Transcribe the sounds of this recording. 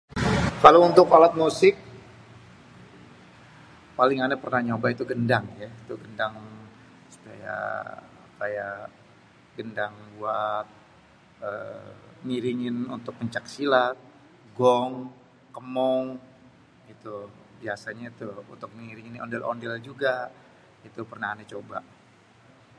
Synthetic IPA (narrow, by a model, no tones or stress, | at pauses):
kalount̪ʊkalat̪̚musɪk̚ | palɪŋanapərnaɲobait̪uɡəndaŋjait̪uɡəndaŋ | su̥pa̰ja̰ | kaja | ɡəndaŋbuat̪̚ | ə̰niɾiŋɪnunt̪ʊk̚pəɲt͡ʃak̚silat̪̚ | ɡɔŋ | kəmɔŋ | it̪u | biasaɲait̪uṵnt̪ʊk̚niɾiŋinɔ̰ndɛlɔ̰ndɛld͡ʒuɡa | it̪upərnahanat͡ʃoba̰